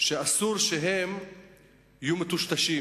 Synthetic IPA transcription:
ʃeasuɾʃeɦem | ijumet̪uʃt̪aʃi

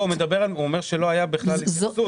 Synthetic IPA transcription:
ume̞d̪abe̞ʁaluomeʁʃelo̞ajabiχlalisu

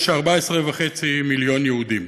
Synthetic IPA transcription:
ʃaʁbaesʁevaχet͡similjo̞njeud̪im

